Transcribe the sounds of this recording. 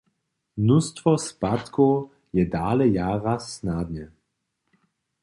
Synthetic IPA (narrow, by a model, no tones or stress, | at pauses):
mnust̪vɔspat̪kʰɔw | jɛdaːlɛjaːʁasnad̪ɲɛ